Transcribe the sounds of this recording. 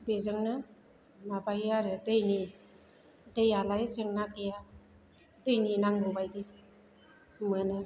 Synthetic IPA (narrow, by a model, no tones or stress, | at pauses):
bezɯŋnɯ | mabajaɾɯtɯjni | tejalajseŋnakʰɯja | tɯjninaŋɡobajdi | mɯnɯ